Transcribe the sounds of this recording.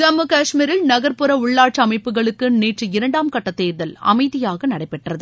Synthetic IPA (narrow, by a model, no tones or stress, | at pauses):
d͡ʒɐmːɯkaːʂmiɾɪlnɐɣɐɾpɯɾɐʊɭːaːʈt͡ʃɐmɐɪpːɯɣɐɭɯkːɯneːʈrɯɪɾɐɳɖaːmkɐʈːɐt̪ːeːɾðɐlɐ̰mɐɪðɪjaːɣɐnɐɽɐɪpːɛʈrɐðɯ